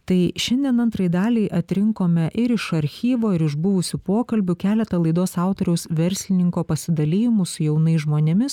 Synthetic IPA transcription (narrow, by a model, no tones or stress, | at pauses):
t̪ɐɪʃʲɛnʲd̪ʲiɛnɐnt̪ɾɐjɪd̪ɑːlʲiɪʔɐt̪ʲɾʲɪŋkoːmʲɛʔɪɾɪʃɐɾʲxʲiːʋoːɪɾɪʒbʊʋʊsʲupoːkɐlʲbʲʊkʲæːlʲɛt̪ɐlˠɐɪd̪oːsɑˑʊt̪oːɾʲɛʊsʋʲɛɾʲsʲlʲɪnʲɪŋkoːpɐsʲɪd̪ɐlʲiːjɪmʊsʊjɛʊnɐɪsʒmoːnʲɛmʲɪs